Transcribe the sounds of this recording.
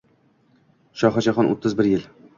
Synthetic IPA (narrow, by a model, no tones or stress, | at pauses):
ʃɒχad͡ʒaχɒnʔo̰t̪ʰːɪzbɪɾjɪl